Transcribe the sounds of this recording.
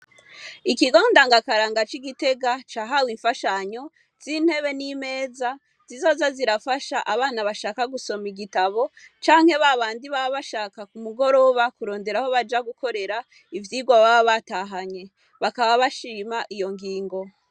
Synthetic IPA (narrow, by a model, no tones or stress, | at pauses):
ikiɡo̞ːndaŋɡakaɾaːŋɡat͡ʃiɡite̞ɡat͡ʃaːɦawiɱfaʃaɲo̞ | z̥in̥he̞βe̞nime̞ːza | z̥izo̞ːzaziɾafaʃaʔaβaːnaβaʃaːkaɡuso̞miɡitaβo̞t͡ʃaːŋhe̞βaβaːndiβaβaβaʃaːkakumuɡo̞ɾo̞βakuɾo̞ːnde̞ɾaho̞βad͡ʒaɡukʰo̞ɾe̞ɾa | ivjiːɡwaβaβaβataɦaɲe̞ | βakaβaβaʃiːmaʔijo̞ŋɡiːŋɡo̞